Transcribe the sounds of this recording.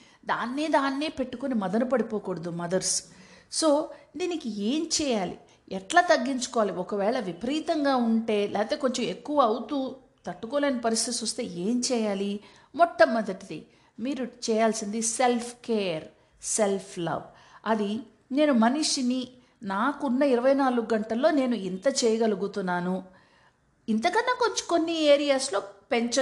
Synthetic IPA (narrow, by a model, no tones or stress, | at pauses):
d̪aːnːiːd̪aːnːeːpe̞ʈːukonimɐd̪ɐnupɐɽipoːkoɽɐd̪umɐd̪ɐɾsso̞ːd̪iːnikieːmt͡ʃɛːjaːlḭ | ɛʈlaːt̪ɐɡːiɲt͡ʃu̥kɔʋaːliɔkɐʋɛːɭɐʋipɾiːt̪ɐŋɡaːuɳʈe̞ːlʔɛːɐt̪e̞ːko̞ɲt͡ʃɐme̞kːuʋɐɐwut̪uː | t̪ɐʈːukoːleːnɐpɐɾist̪ʰit̪isust̪e̞ːe̞ːmt͡ʃɛːjaːli | mɔʈːɐmːɐd̪ɐʈid̪i | miːɾut͡ʃɛːjaːlsind̪ise̞lpʰkeːjɐɾ | se̞lpʰlɐ̰b | ɐd̪i | ne̞ːnumɐniʂini | naːkunːɐiɾɐʋɐjnaːluɡuɡɐɳʈɐlːo̞ːne̞ːnuint̪ɐt͡ʃɛːjɐɡɐluɡut̪unːaːnu | int̪ɐkɐnːaːko̞ɲt͡ʃko̞nːieːɾijaːslo̞ːpeɲt͡ʃɐ